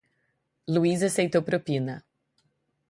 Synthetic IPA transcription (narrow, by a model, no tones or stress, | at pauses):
luizasejt̪owpɾopĩnɐ